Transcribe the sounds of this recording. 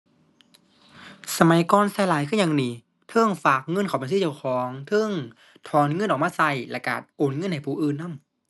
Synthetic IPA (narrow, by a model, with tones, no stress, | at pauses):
sa˧ma˨˦jkɔː˧nsaː˧˩laː˨˦jkʰɯː˧˥˩ɲaː˨˧ŋniː˨˩ | t̪ʰɤ˧˥˩ŋfaː˨˩k̚ŋɤ˧˥˨nkʰa˨˩wpa˧˨sɯː˧˥˨kːwkʰɔː˨˦ŋt̪ʰɤ˧˥˩ŋ | t̪ʰɔː˨˧˦nŋɤ˧˥nʔ̚ːmaː˧sa˧˩jla˧˩ka̰ː˨˩t̪̚ʔoː˨˩nŋɤ˧˥˨nha˨˩jpʰuː˨˩ʔɯː˨˩nːa˧˥˨m